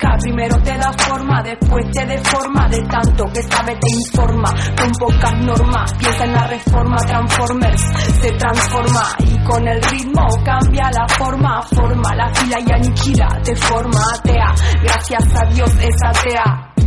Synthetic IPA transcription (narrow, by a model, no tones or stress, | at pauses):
kapɾime̞ɾot̪e̞ðafo̞ɾmaðe̞spwe̞st̪e̞ðe̞fo̞ɾmaðe̞t̪ant̪o̞ke̞saβe̞t̪e̞iɱfo̞ɾmako̞mpo̞kazno̞ɾmaspjesaenare̞fo̞ɾmat̪ɾansfo̞ɾmeɾse̞t̪ɾansfo̞ɾma̰iko̞ne̞lrit̪mo̞kambjalafo̞ɾmafo̞ɾma̰lafilajanikila̰t̪e̞fo̞ɾmaːt̪eaɣɾaθjasaðjo̞se̞sat̪ea